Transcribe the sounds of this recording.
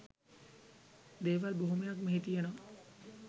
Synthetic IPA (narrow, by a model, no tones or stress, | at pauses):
d̪eːʋalboɦumejakmeɦit̪ijeno